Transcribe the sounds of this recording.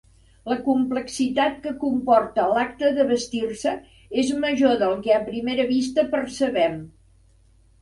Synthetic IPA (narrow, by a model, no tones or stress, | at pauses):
ləkumpləksit̪at̪̚kəkumpɔrt̪əlak̚t̪əðəβəst̪irsə | ezməʒoðəlˠkɛəpɾimeɾəβist̪əpərsəβɛm